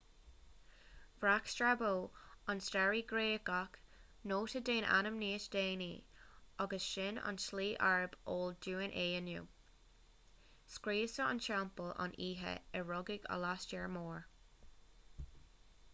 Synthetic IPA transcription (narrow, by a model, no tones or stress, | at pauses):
v̥ɹakstɹaboːɑnstaɹiɡɾeːɡak | noːtədeːnʔa̰nəmniːtd̥eːniɔɡəsʃɪna̰nsliːʔaɹəboːlduːənʔeːənjṵː | skɹiːsəə̰nʃampəlɑ̰nʔiːɦə̰ɛɹɔɡɪɡə̰lastɛɹmoːɹ